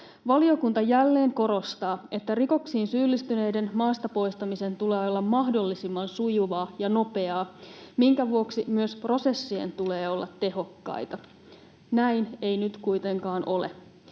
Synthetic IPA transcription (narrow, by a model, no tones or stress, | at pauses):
ʋɑlio̞kunt̪ɑjælːe̞ːŋko̞ɾo̞st̪ɑːe̞t̪ːæriko̞ksiːnsyːlːist̪yne̞jde̞nmɑːst̪ɑpo̞jst̪ɑmise̞nt̪ule̞ːolːɑmːɑɦdo̞lːisimːɑnsujuʋɑːjɑno̞pe̞ɑːmiŋkæʋuoksimyøspro̞se̞sːiḛnt̪ule̞ːo̞lːɑt̪ːe̞ɦo̞kːɑ̰jt̪ɑ | næjne̞jnyt̪kujt̪e̞ŋkɑːnʔo̞le̞̰